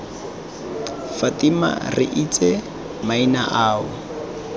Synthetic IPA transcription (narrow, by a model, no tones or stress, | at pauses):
fatima̰rɪ̰ʔit͡sʼɛ | mainaʔaːʊ